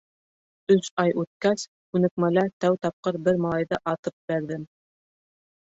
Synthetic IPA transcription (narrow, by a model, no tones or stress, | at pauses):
ɵsɑjʔʉt̪̚kæs | kʉnɘ̆k̚mælæt̪æwt̪ɑp̚qɤɾbɘɾmɑlˠɑjðɤʔɑt̪ɤp̚bæɾðɘm